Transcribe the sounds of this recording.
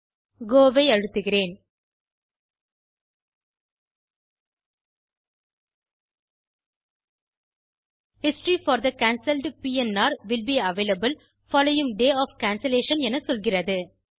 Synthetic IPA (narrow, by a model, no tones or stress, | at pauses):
ɡoːʋɐɪɐɻɯt̪ːɯɣɪɾeːn | hɪsʈɾiːfɔːɾd̪ɐkaːnsɪlɖpiːɛnaːɾʋɪlbiɐʋeːlɐbəl | fɔːloːɪ̃ŋɖeːɔːfkaːnsɐleːʃɐnɛnɐsɔlɣɪrɐðɯ